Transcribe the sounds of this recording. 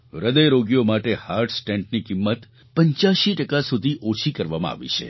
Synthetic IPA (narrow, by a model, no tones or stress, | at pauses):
ɾəd̪əjɾoɡjomaʈehaɾʈsʈẽɳʈnikimːət̪ | pəɲt͡ʃjaʃiʈəkasud̪ʱiʔot͡ʃʰikəɾʋamã̰a̰ʋḭt͡ʃʰḛ